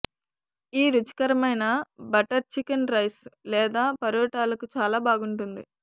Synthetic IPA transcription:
iːɾut͡ʃi̥kɐɾɐmɐjnɐbɐʈɐɾt͡ʃikɐnɾɐjslɛːd̪aːpɐɾuːʈaːlɐkut͡ʃaːlaːbaːɡuɳʈund̪ḭ

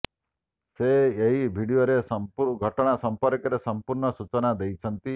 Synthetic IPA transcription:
seːɦibʱiɽioɾesɔmuɾɡʱɔʈɔɽ̃asɔmpɔɾkɔɾesɔmpuɾɳɔsut͡ʃɔnad̪ejt͡ʃʰɔnt̪i

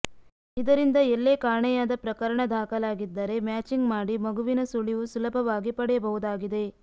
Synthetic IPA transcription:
id̪ɐɾind̪ɐelːeːkaːɳɛjaːd̪ɐpɾɐkɐɾɐɳɐd̪ʱaːkɐlaːɡid̪ːɐɾe̞mjaːt͡ʃiŋɡmaːɽimɐɡuʋinɐsuɭiʋusulɐpʰɐʋaːɡipɐɽɛjɐbɐɦud̪aːɡid̪e̞

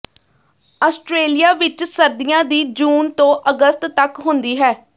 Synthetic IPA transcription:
aːsʈɾeːlijaːʋɪt͡ʃsəɾd̪ɪjãːd̪iːd͡ʒuːnt̪õːʔəɡəst̪ːəkɦʊnd̪iːɦɛː

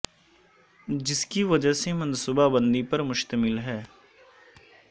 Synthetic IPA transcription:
d͡ʒɪskiʋɐd͡ʒəsemɐ̃nsubabə̃nd̪ipɐɾmʊʃt̪əmɪlɦɛː

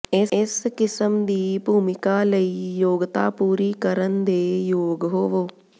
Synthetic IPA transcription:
ɪɪskɪsəmd̪iːbʱuːmɪkaːləiːjoːɡt̪a̰ːpuːɾiːkəɾənd̪eːjoːɡɦoːʋoː

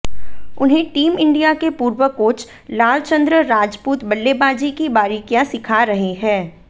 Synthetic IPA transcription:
ʊnɦẽʈiːmɪ̃ɳɖijakepuːɾwəkoːt͡ʃʰ | laːlt͡ʃə̃nd̪ɾəɾaːd͡ʒpuːt̪bɐlːebaːd͡ʒikibaːɾiːkijasɪkʰaɾɐɦeɦɛ̃ː

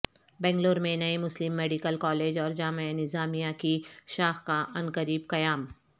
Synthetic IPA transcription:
bɛ̃ːŋɡloːɾmẽnɐemʊslɪmːeːɖɪkəlkɔːleːd͡ʒɔːɾd͡ʒaːmeenɪzaːmijãkiʃaːxkaʔɐnkəɾiːbkɐjaːm

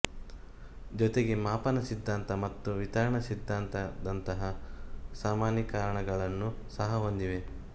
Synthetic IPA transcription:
d͡ʒɔt̪eɡe̞maːpɐnɐsid̪ʱːaːnt̪ɐmɐt̪ːuʋit̪ɐɾɐɳɐsid̪ʱːaːnt̪ɐd̪ɐnt̪ɐɦɐsaːmaːnjɐkaːɾɐɳɐɡɐɭɐnːusɐɦɐɦond̪iʋe̞

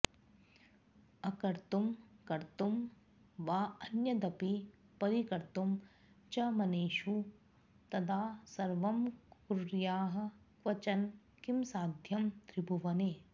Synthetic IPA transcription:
ɐkɐɾt̪umkɐɾt̪um | ʋaːɐnjɐd̪ɐpi | pɐɾikɐɾt̪um | t͡ʃɐmɐneːʃu | t̪ɐd̪aːsɐɾʋɐmkuɾjaːɦɐ̆ | kʋɐt͡ʃɐn | kimsaːd̪ʱjɐmt̪ɾibʱuʋɐneː

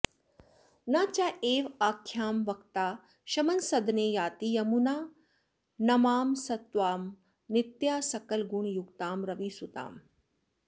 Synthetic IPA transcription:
nɐt͡ʃaʔeːʋaːkʰːjaːmʋɐkt̪aː | ʃɐmɐnsɐd̪neːjaːt̪ijɐmunaː | nɐmaːmsɐt̪ʋaːm | nɪt̪jaːsɐkɐlɡuɳjuɡt̪aːmɾɐʋiːsut̪a̰ːm

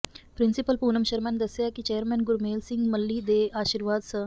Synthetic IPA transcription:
pɾɪnsɪpəlpuːnəmʃəɾmɛːnd̪əsjakit͡ʃeːəɾmɛ̃ːnɡʊɾmeːlsɪ̃ŋɡməlːiːd̪eːaːʃiːɾʋaːd̪sə̃

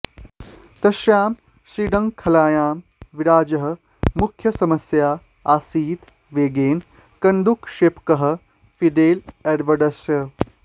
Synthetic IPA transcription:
t̪ɐʃjaːm | siːɖɐŋkʰɐlaːjaːmʋiɾaːd͡ʒɐɦɐ̆ | mukʰjɐsɐmɐsjaː | aːsiːt̪ | ʋeːɡeːn | kɐnd̪ukʃeːpkɐɦɐ̆ | fid̪eːleɾʋɐɖɐsjɐ

